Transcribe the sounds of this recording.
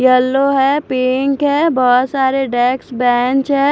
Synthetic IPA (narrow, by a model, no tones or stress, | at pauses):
jəlːoɦɛpɪŋkɦɛːbɔt̪saːɾeɖɛːksbɛːnt͡ʃɦɛː